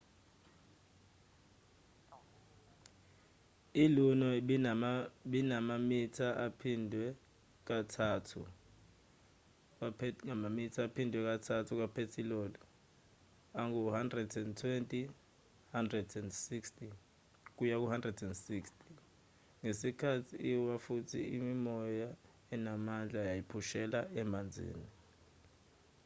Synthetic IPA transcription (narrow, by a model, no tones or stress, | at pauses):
ilunɔ | ɓinamamitʰaʔapʰindʱwɛ | k̬atʰaːtʰṵ | k̬ʼapŋamamitʰaːpʰindʱwɛk̬ʼatʰatʰuk̬wapʰetʰilɔːlɔ | aŋuhandrɛdɛndtʰwentʼi | handrɛdɛndsiksti | k̬ujak̬uhandrɛdɛndsikstʰʼi̥ | ŋesikʰatʰiːwafutʰiimimɔja | ɛnamand͡ɮʱajajipʰuʃɛlaɛmand͡zʱḭːni